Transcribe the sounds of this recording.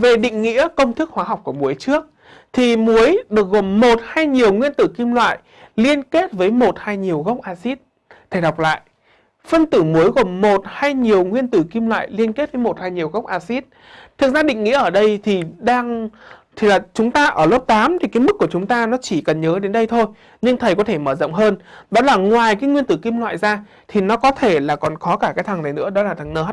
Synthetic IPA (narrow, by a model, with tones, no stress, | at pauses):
ve˨˩ɗḭ̈˧˨ŋ̟ŋḭ˧˥əkə˧wŋ͡mt̪ʰɨ˦˥k̚hwaː˨˦ɦa˨˩wk͡p̚ku˧˩əmu˨˦əjt͡ɕɨ˦˥ək̚ | t̪ʰi˨˩mu˨˦əjɗɨ˨˩ək̚ɣo˨˩mmo˨˩t̚haː˧jɲi˨˩əwŋwi˧ənt̪ɨ˧˩ki˧mlwa̰ː˧˨j | li˧ənke˦˥t̚vəː˨˦jmo˨˩t̚haː˧jɲi˨˩əwɣə˦˥wk͡p̚ʔaː˧si˦˥t̚ | t̪ʰa˧˩jɗwk͡p̚la̰ː˧˨j | fə˧nt̪ɨ˧˩mu˨˦əjɣo˨˩mmo˨˩t̚haː˧jɲi˨˩əwŋwi˧ənt̪ɨ˧˩ki˧mlwa̰ː˧˨jli˧ənke˦˥t̚vəː˨˦jmo˨˩t̚haː˧jɲi˨˩əwɣə˦˥k͡p̚ʔaː˧si˦˥t̚ | t̪ʰɨ˨˩k̚zaː˧ɗḭ˧˨ŋ̟ŋḭ˧˥ʔəː˧˩ɗə˧jt̪ʰi˨˩ɗaː˧ŋt̪ʰi˨˩laː˨˩t͡ɕʊ˨˦ŋ͡mt̪aː˧ʔəː˧˩ləː˦˥p̚t̪aː˨˦mt̪ʰi˨˩kaː˨˦jmɨ˦˥k̚ːu˧˩ət͡ɕʊ˨˦ŋ͡mt̪aː˧nɔ˨˦t͡ɕi˧˩kə˨˩nɲəː˨˦ɗe˨˦nɗə˧jt̪ʰo˧j | ɲɨ˧ŋt̪ʰə˨˩jkɔ˨˦t̪ʰe˧˩məː˧˩z̰ŋ͡mɦəː˧nɗɔ˨˦laː˨˩ŋwaː˨˩jkaː˨˦jŋwi˧ənt̪ɨ˧˩ki˧mlwa̰ː˧˨jzaː˧ | t̪ʰi˨˩nɔ˨˦kɔ˨˦t̪ʰe˧˩laː˨˩kɔ˨˩nxɔ˨˦kaː˧˩kaː˨˦jt̪ʰa˨˩ŋna˨˩jnɨ̰˧˥əɗɔ˨˦laː˨˩t̪ʰa˨˩ŋnəː˧˩˦